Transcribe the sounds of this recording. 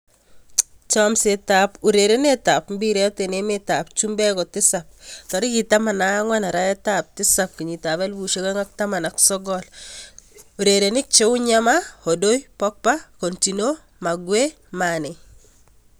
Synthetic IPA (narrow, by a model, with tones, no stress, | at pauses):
t͡ʃɔmsetapu˨ɾeɾe˦ne˦tapmbi˦ɾetenemɪtap̚t͡ʃu˦mbɛ˦kɔ˨tɪ˦sap̚tɔ˨ɾiki˨tama˨naŋwana˨ɾa˦ɛ˦tap̚tɪ˦sap̚ki˨ɲi˨taβɛ˦lbu˨ʃe˦ka˦ŋa˦k̚tama˨naksɔ˦ɡɔl | u˨ɾeɾenɪ˦k̚t͡ʃe˦wʊ˦ɲamaho˨do˦jpɔk̚pako˨ntino | ma˨ɡwe | manɪ